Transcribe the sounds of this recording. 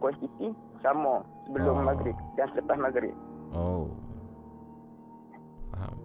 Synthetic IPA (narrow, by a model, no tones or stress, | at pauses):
kost̪it̪i | samɔsəbəlʊmːaɡɾɪk̚dansələt̪ahmaɡɾɪ̰k̚ʔo | ɦa̰